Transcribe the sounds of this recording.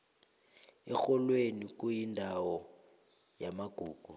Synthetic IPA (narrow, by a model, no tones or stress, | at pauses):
ɛxɔlwenik̬ʼujindʱawɔ | jamaɡ̥ʱuːɡ̥ʱu